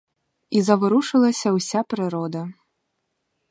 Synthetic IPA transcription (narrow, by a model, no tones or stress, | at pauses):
izɐvɨɾuʂɨlˠɐsʲɐwsʲapɾɨɾɔd̪ɐ